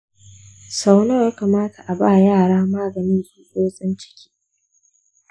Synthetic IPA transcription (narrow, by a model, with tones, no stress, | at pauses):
sa˦wno˦˨jaː˦kaː˨maː˦tʰa˨ʔa˨baː˦˨jaː˦˨ɽaː˦maː˦ɡɐ˨niː˦zuː˦ɗoː˦sʼɪ˦nt͡ʃɪ̥˦kʲi̥ː˦